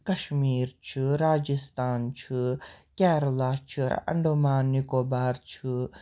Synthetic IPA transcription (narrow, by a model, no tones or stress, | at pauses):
kɐʃmiːɾt͡ʃʰɨɾaːd͡ʒist̪aːnt͡ʃʰɨkʲɛːɾlaːt͡ʃʰɨɐ̰ɳɖumaːnːikoːbaːɾt͡ʃʰɨ